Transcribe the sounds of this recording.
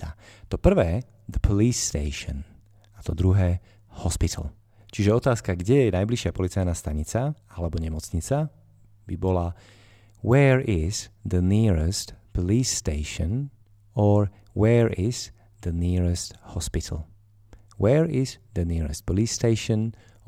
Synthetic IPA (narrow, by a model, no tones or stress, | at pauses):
at̪ɔpr̩ʋɛː | d̪əpʰɔliːsːt̪ɛɪʃɔ̰n | at̪ɔd̪ɾuɦɛː | hɔspit̪ʰl | t͡ʃiʒɛɔt̪aːskaɡɟɛjɛɛnajbliʃɪapɔlit͡sajnast̪aɲit͡saalɛbɔɲɛmɔt͡sɲit͡sa | bibɔla | wɛːɹiz̥d̪əniɹɛst̪pɔliːsːt̪ɛɪʃɔn | ɔɾ | wɛːɹiz̥ | d̪əniɹɛst̪hɔspit̪ʰl | wɛːɹizd̪əniːɹɛ̰st̪̚pɔliːsːt̪ɛɪʃən